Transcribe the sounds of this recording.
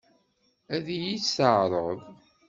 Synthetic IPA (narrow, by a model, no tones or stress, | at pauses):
æðjisəʕɾˤəðˤ